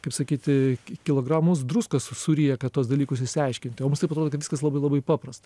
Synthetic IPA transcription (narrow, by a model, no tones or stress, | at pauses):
kɐɪpsɐkʲiːt̪ʲɪkʲɪlˠoːɡɾɑːmʊsd̪ruskɐssʊɾʲijɛkɐt̪uɔsd̪ɐlʲiːkʊsɪʃʲsʲɪɐɪʃʲkʲɪnʲt̪ʲɪomʊmst̪ɐɪpɐt̪ɾoːd̪okɐt̪ʋʲɪ̥skɐslˠɐbɐɪlˠɐbɐɪpɑːpɾɐst̪ɐ